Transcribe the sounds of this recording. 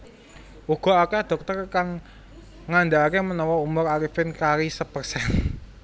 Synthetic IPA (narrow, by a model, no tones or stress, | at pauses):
uɡ̥ɔ̤akɛd̪̥ɔ̤k̚t̪ərkaŋː | and̪aakemənɔwɔumʊɾaɾifɪnkaɾisəpərsɛn